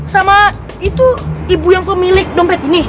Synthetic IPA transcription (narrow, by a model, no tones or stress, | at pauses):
sama | it̪uibujaŋpəmilɪk̚dɔmpɛt̪ini